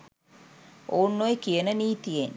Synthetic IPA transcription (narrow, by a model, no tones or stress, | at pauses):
oːnːojkijənəniːt̪ijen